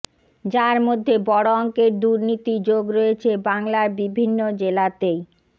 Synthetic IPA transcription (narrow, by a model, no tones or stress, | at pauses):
d͡ʑaɾmod̪ʱːebɔɽoɔŋkeɾd̪uɾnit̪id͡ʑoɡɾojet͡ɕʰebaŋlaɾbibʱinːod͡ʑelat̪ej